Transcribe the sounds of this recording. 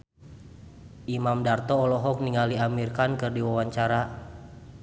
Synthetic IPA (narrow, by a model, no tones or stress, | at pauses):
ʔimamdart̪ɔːlɔɦɔk̚niŋaliamirkankɨrdiwawaɲt͡ʃaɾa